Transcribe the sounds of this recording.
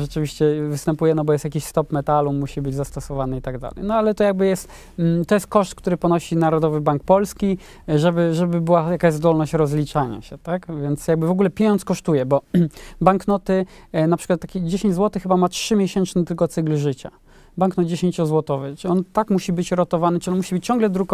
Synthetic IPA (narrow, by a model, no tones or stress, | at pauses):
ʐɛt͡ʂɘvʲiɕt͡ɕɛvɘst̪ɛmpujɛnɔbɔjɛst̪jakʲiɕst̪ɔpmɛt̪alumːuɕibɘd͡ʑzast̪ɔsɔvanɘit̪aɡd̪a̰lɛ̰jnɔalɛt̪ɔjaɡ̚bɘjɛst̪ | t̪ɔjɛst̪̚kɔʂt̪kt̪uɾɘpɔnɔɕinaɾɔd̪ɔvɘbaŋk̚pɔlskʲi | ʐɛbɘʐɛbɘbɘwajakaʑzd̪ɔlnɔɕt͡ɕɾɔzlʲit͡ʂaɲa̰ɕɛt̪akvʲjɛnt̪sjaɡ̚bɘvɔɡulɛpʲjeɲɔntskɔʂt̪ujɛbɔbaŋknɔt̪ɘnapʂɘ̥kwat̪ːakʲid͡ʑeɕeɲd͡ʑzwɔt̪ɘxɘbamatʂɘmʲjeɕɛnt͡ʂnɘt̪ɘlkɔt̪sɘɡlʐɘt͡ɕa̰ | baŋknɔd̪d͡ʑeɕeɲt͡ɕɔzwɔt̪ɔvɘt͡ʂʲɔnt̪akmuɕibɘt͡ɕɾɔt̪ɔvanɘʈ͡ʂɨinmuɕibɘt͡ɕt͡ɕɔ̃ŋɡlɛd̪ɾuk